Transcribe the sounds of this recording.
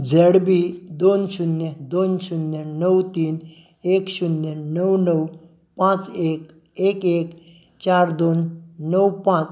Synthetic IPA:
d͡zeɽbid̪onʃunjed̪oːnʃunjenəwt̪iːn | eːkʃunːjenəwnəw | pãt͡seːk | eːkeːk | t͡ʃaːɾd̪oːnːəwpãt͡s

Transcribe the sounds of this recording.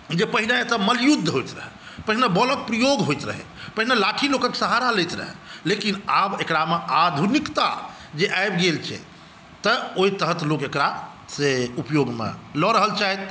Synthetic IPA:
d͡ʒepəɦinat̪əməljud̪ʱːɦojt̪ɾə̰ɦɛ̰ | pəɦinebɔlək̚pɾijoɡɦojt̪ɾə̰ɦɛ̰pəɦinelaʈʰilokəksəɦaɾalet̪ɾə̰ɦɛ̰lekinabekɽamead̪ʱunikt̪a̰ | d͡ʒeʔajbɡelt͡ʃʰɛ̰ | t̪əoit̪əɦət̪lokekɾa | seupjoɡmḛlɔɾəɦəlt͡ʃaɦɛt̪

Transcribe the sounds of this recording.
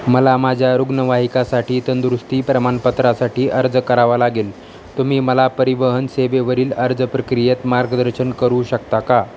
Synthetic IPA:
məlamad͡ʑʱjaɾuɡnəʋaɦikasaʈiːt̪ənd̪ɾust̪iːpɾəmanpət̪ɾasaʈiːʔəɾd͡zkəɾaʋalaɡeːl | t̪umiːməlapəɾiʋəɦənseʋeʋəɾiːləɾd͡zəpɾəkɾijet̪maɾɡəd̪əɾɕənkəɾuːɕəkt̪aka

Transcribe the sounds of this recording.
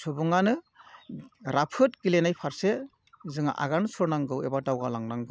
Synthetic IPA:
sɔbɔŋanɯ | ɾapʰɯt̚ɡilenajpʰaɾse | zɯŋa̰ʔa̰ɡansʰɔɾnaŋɡɯwebadawɡalaŋnaŋɡɯ

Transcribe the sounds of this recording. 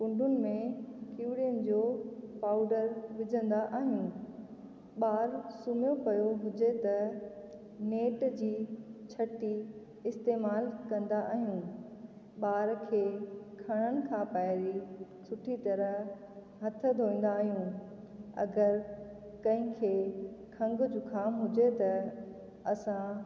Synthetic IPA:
kʊ̃ɳɖʱʊnɪ̆mẽkiːɽijənɪ̆d͡ʑoːpaːʊɖəɾʋɪd͡ʑʱə̃nd̪aʔaːɦjũ | ɓaːɾsʊmjopɐjoɦʊd͡ʑet̪ɐ | neːʈd͡ʑiːt͡ɕʰɐʈi | ɪst̪eːmaːlkɐ̃nd̪aʔaːɦijũ | ɓaːɾkʰeːkʰɐɽ̃ənɪ̆kʰãpaɪɾisʊʈʰit̪ɐɾəɦ | ɦɐt̪ʰə̆d̪ʱoːĩːn̆d̪aːɦijũ | ɐ̰ɡəɾ | kɐ̃ɦɪ̃kʰeːkʰɐ̃ŋɡʊd͡ʑuːkʰaːmɦʊd͡ʑet̪ɐ | ɐsã

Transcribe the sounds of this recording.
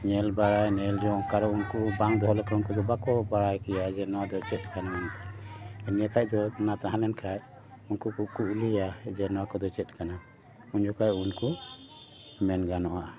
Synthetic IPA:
ɲɛlbaɽajnɛld͡ʒɔkaɾɔunkubaŋd̪ɔɦɔlɛkɔunkud̪ɔbakɔbaɽajkɛjad͡ʒɛnɔwad̪ɔt͡ʃɛt̪̚ˀkanamant̪ɛɛnijakʰaj̚ˀd̪ɔnat̪aɦãlɛnkʰaj | unkukukuʔlijad͡ʒɛnɔwakɔd̪ɔt͡ʃɛt̪̚ˀkana | uɲd͡ʒɔkajunku | mɛnɡanɔʔaʔa

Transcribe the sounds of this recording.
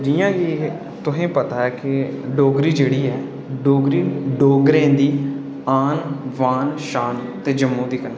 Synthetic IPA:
d͡ʒiːjãːɡi | t̪ʊɦẽːpət̪aːɛːkɪɖoːɡɾiːd͡ʒeːɽiːɛː | ɖoːɡɾiːɖoːɡɾẽːd̪iː | aːnʋaːnʃaːnt̪eːd͡ʒəmːõːd̪iːkənː

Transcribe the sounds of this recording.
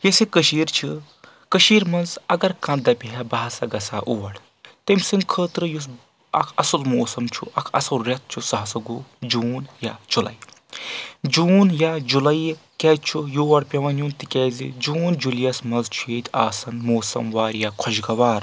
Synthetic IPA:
jesikəʃiːɾt͡ʃʰi | kəʃiːɾmɐnzɐɡɐɾkɐ̃nd̪ɐpʲiɦɛbɐɦɐsɐɡɐsaːʔuːʋɐɽ | t̪emʲsinkʰəːt̪ɾɨjus̬ | ɐ̰kʰɐsɐlmoːsɐmt͡ʃʰṵʔɐkʰɐ̰sɐlɾɐt̪̚ʰt͡ʃʰusɐɦɐsɐɡud͡ʒuːnjad͡ʒulɐ̰j | d͡ʒuːnjad͡ʒulɐjkɛːt͡ʃʰujuːʋɐɽpʲɐʋɐnjunt̪ikʲɛːzḭd͡ʒuːnd͡ʒulijɐsmɐnzt͡ʃʰueːt̪ʲʰaːsɐnmoːsɐ̰mʋaːɾjakʰɔʃɡɐʋaːɾ

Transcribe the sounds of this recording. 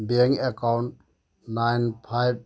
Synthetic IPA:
beŋɛkawɳʈ̚ | najnpʰajb̚

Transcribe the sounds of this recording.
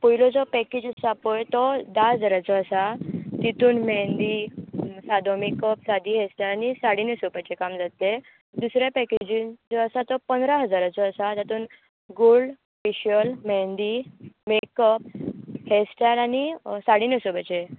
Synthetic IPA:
pujilɔd͡zɔpɛked͡ʑsapojt̪ɔd̪aɦəd͡zaɾat͡sɔəsat̪it̪uːnmɛnd̪isad̪omekəpsad̪iːɦesʈalanisaɽinesopat͡ɕekamd͡zat̪e | d̪usɾjapɛked͡ʑĩnt͡sɔəsat̪ɔpənd̪ɾaɦəd͡zaɾat͡sɔːsat̪at̪uːn | ɡoɭɖ | fiɕəlmɛnd̪imekəp̚hesʈalañisaɽinesopat͡ɕe

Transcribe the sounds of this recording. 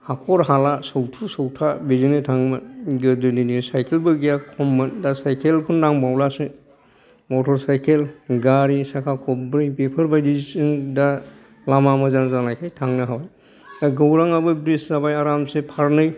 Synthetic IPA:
hakʰɔɾɦalasɔwtʰusɔwtʰabezinɯtʰaŋmɯɡɯdɯninisajkʰelbɯɡijakʰɔmːɯndasajkʰelkʰundaŋbawlasɯ | mɔtʰɔɾsajkʰelɡaɾisakʰakʰɔbɾɯjpepʰəɾbajdiisɯŋda | lamamɯzanzanajkʰajtʰaŋnɯɦawaj | d̥aɡɯwɾaŋabɯbɾiszabajaɾamsepʰaɾnɯj

